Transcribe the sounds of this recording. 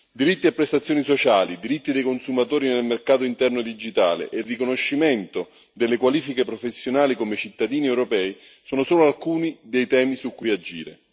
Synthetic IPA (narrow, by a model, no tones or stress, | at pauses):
d̪iɾit̪ːiapːɾest̪at̪sːjoːnisot͡ʃaːlid̪iɾit̪ːid̪ejkonsumat̪oːɾinelmerkaːt̪oint̪ɛrnod̪id͡ʒit̪a̰ːlḛʔerːikonoʃːimɛnt̪o | d̪elːekwaliːfikepɾofesːjonaːlikomet͡ʃit̪ːad̪iːniɛwɾopɛːi | soːnosoːloalkuːnid̪ejt̪ɛːmisukːujad͡ʒḭːɾḛ